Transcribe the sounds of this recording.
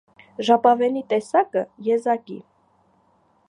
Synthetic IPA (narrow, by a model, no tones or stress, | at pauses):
ʒɑpɑvɛnit̪ɛsɑkəjɛzɑkḭ